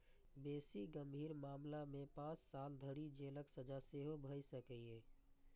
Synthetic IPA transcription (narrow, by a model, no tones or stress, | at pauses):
besiɡəmbʱiːɾmaːmlamepãt͡ʃsald̪ʱəɽid͡ʒeləksəd͡ʒaseɦobʱəjsəkəe